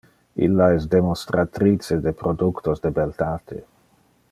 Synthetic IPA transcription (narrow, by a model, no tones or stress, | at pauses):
ḭlːaɛsd̪emost̪ɾʔat̪ɾit͡sed̪epɾod̪ukt̪osd̪ebelt̪at̪ʰḛ